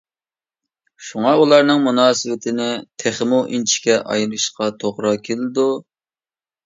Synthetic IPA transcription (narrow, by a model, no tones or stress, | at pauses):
ʃuŋɑulˠɑɾnɨŋmunɑːsɨwɪt̪ʰɪnɪt̪ʰeχmuʔint͡ʃʰi̥kʲɛʔɑ̰jlˠɨʃqɑt̪ʰoʁɾɑkʲʰelɪd̪u